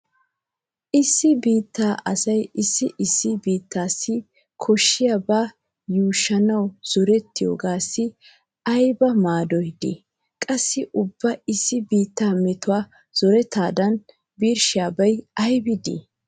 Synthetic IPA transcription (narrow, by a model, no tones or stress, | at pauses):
ʔɪsːɪbiːt̪ːaːʔɐsɐjɪsːɪʔɪsːɪbiːt̪ʰːaːsːɪ | kʰɔʃːɪjabaː | juːʃːɐnɐwz̥ɔɾɛt̪ːɪjo̰ːɡaːsːɪ | ʔɐjbɐmaːd̪ɔjd̪ḭ | kʼɐsːɪʔʊbːɐɪsːɪbiːt̪ːaːmɛt̪ʊwaː | z̥ɔɾɛt̪ːaːd̪ɐn | biːɾʃɪjaːbɐjɐjbɪd̪ḭ